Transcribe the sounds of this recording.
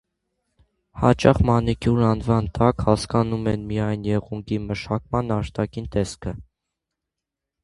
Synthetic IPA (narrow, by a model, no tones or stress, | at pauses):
hɑ̰t͡ʃɑχmɑnikʰjuɾɑnvɑnt̪ɑkhɑskɑnumɛnmijɑjnjɛʁuŋɡiməʃɑkmɑnɑʃt̪ɑkint̪ɛskʰə